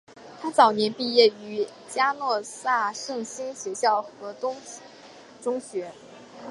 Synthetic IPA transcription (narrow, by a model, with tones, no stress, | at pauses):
t̪ʰa˥t͡sɑ˨˩ʊnjɛ˧˥npi˥˧jɛ˥˩y˧˥ | t͡ɕja˥nwɔ˥˧sa˥˩ʂɤ˥˩ŋɕi˥nɕɥɛ˧˥ɕjɑ˥˩ʊxɤ˧˥t̪ʊ˥ŋ | ʈ͡ʂʊ˥ŋɕɥɛ˧˥